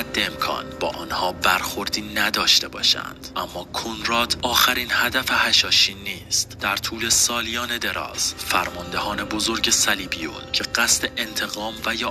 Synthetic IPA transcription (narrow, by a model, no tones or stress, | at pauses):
æd̪ːeemkʰɒ̰ːnbɒːʔɒːnhɒːbæɾxo̞ɾd̪iːnæd̪ɒːʃt̪e̞bɒ̰ːʃæ̰nd̪̥ʔæmːɒːkʰonɾɒːt̪ʰɒːxæɾiːnhæd̪æfehæʃɒːʃiːnːiːst̪d̪̥æɾt̪ʰuːle̞sɒːlijɒːne̞d̪e̞ɾɒ̰ːz̥fæɾmɒnd̪e̞hɒːne̞bozo̞ɾɟe̞sæliːbio̰lcʰe̞ɢæst̪eʔent̪ʰe̞ɣɒːmvæjɒː